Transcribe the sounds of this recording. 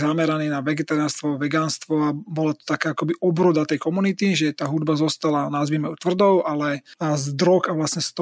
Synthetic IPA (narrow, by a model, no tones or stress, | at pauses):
zamɛɾaniːnaʋɛɡɛt̪aɾaːnst̪ʋɔʋɛɡaːnst̪ʋɔabɔlat̪ɔ̥t̪akaːakɔbiʔɔbɾɔd̪at̪ɛjkɔmunit̪iʒɛt̪aːɦud̪bazɔst̪alanazʋimɛʊt̪ʋr̩d̪ɔʊʔalɛzd̪ɾɔkaʋlasɲɛst̪ɔ